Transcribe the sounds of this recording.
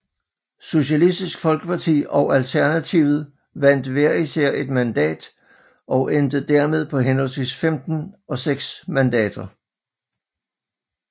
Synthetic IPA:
so̝ɕælisd̥isɡ̥fɒ̽lɡ̥əpʰɑ̈t͡sʰḭːɒ̽ʊælt͡sʰæɐnæt͡sʰiʊð̞̩ˠ | ʋæn̰d̥ʋæɐ̰isæɐ̰e̝d̥mænd̥ɛ̰ːd̥ | ʔɒ̽ʊʔend̥ð̩d̥æɐme̝ð̞ˠpʰɒ̽ɦenɦɒ̽lsʋḭːsfemd̥n̩ɒ̽seɡ̥smænd̥ɛ̰ːd̥ɐ

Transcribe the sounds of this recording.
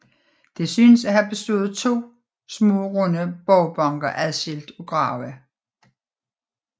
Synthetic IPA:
d̥e̝syːnəsæɦæb̥e̝sd̥o̝ːð̞̩ˠt͡sʰo̝̰ː | smɔ̰̽ːʁɔnəb̥ɒʊb̥ɑŋɡ̥ɐʔæðˠsel̰d̥ɔɡ̥ʁɑ̈ːʊæ

